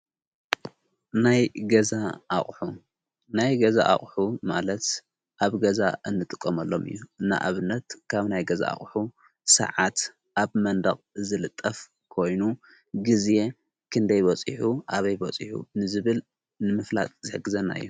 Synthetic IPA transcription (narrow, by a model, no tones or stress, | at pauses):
najɡɐzaʔːχʼħu | najɡɐza̰ʔa̰χʼħuma̰lɐt̪ | ʔaβɡɐzaʔɨnːɨt̪ʼɨkʼːomɐlːo̞mɨ̰jːuɨnːa̰ʔa̰βɨnːɐt̪kʰaβnajɡɐza̰a̰χʼħu | sɐ̰ʕat̪ | ʔaβmɐnd̪ɐχʼzɨlɨt̪ʼːɐf | kʰo̞jnu | ɡizje̞ | kʰɨnd̪ɐjbot͡sʼiħuʔaβɐjbɐt͡sʼiħṵnɨzɨβɨl | nɨmɨfla̰t̪ʼz̥ɨħɨɡɨzɐnːa̰ʔɨ̰jːu